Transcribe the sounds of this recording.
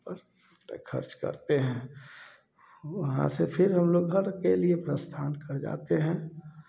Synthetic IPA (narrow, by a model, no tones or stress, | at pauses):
pəɾ | p̪ɾə̰kʰə̰ɾt͡ʃkə̰ɾt̪eɦɛ̃ː | ʋəɦã̰sepʰɪɾɦəmloːɡɦəɾkeliepɾəst̪ʰaːnkəɾd͡ʒa̰ːt̪eɦɛ̃ː